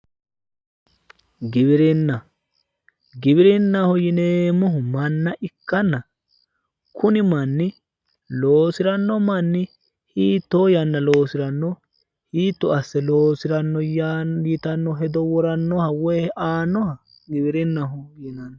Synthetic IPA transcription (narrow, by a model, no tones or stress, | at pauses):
ɡɪbɪɾɪnːɐ | ɡɪbɪɾɪnːɐhʊjɪneːmɔɦʊmɐnːɐʔɪkːɐnːɐ | kʰʊnɪmɐnːɪ | loːsɪɾɐnːɔmɐnːɪ | hiːt̪ːojɐnːɐlo̞ːsɪɾɐnːɔ | hiːt̪ːɔɐsːɛloːsɪɾɐnːɔjajɪt̪ɐnːɔɦɛd̪ɔwɔɾɐnːɔhɐwɔhɛʔaːnːɔhɐ | ɡɪbɪɾɪnːɐɦʊjɪnɐnːɔ